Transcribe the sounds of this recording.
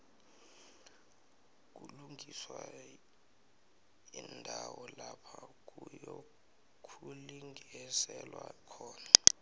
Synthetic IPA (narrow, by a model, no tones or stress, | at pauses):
k̬uluŋʱiswa | indʱawɔlapʰak̬ujɔ | kʰuliŋʱɛsɛlwakʰɔːna